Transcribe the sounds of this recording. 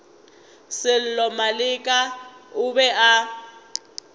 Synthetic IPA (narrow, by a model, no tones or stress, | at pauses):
sɪl̩lɔmalɪkʼaʊbɛʔa